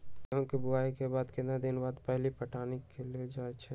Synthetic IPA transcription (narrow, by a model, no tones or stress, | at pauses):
jɦõkebʊaːikebaːd̪kẽnad̪ɪnbaːd̪pɛɦlipəʈaːnekʰeled͡ʒaːet͡ʃʰɛ